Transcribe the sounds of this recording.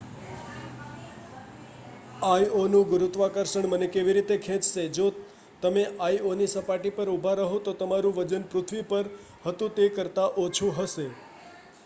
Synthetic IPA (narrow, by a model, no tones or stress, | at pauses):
ajonũɡʊɾut̪ʋakəɾʃəɳmənekeʋiɾit̪ekʰɛ̃t͡ʃʃed͡ʒo | t̪əmeʔajonisəpaʈipəɾubʱaɾəɦõt̪ot̪əmaɾũʋəd͡ʒənpɾʊt̪ʰʋipəɾ | hət̪ũt̪ekəɾt̪aʔot͡ʃʰũɦəʃe